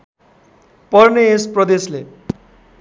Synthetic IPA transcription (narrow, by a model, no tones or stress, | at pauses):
pʌrneesprʌd̪esle